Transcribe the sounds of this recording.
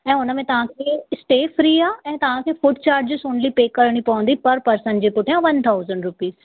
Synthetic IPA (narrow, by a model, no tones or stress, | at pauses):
ɛ̃ːʊnə̆mẽt̪ɐʋ̤ãkʰeːɪsʈeːfɾiːaːɛ̃ːt̪ɐʋ̤ãkʰeːfʊʈ̚t͡ɕaːɾʈd͡ʑiːsʊ̃ːɳɖlipeːkːɐɾɽ̃ipɐʋə̃nd̪ipɐɾpɐɾsə̃nd͡ʑiːpʊʈʰijãʋɐnt̪ʰaːʊzəɳɖɾʊpiːz